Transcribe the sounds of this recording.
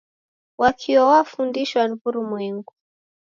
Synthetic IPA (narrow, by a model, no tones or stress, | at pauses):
wakʰiwawafundiʃwanvuɾumwiŋɡu